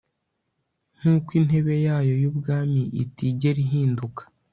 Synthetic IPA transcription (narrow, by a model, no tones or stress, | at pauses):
n̥uːkwin̥e̞βe̞jaːjo̞jubɡaːmiʔitiɟe̞ɾiɦiːndukḁ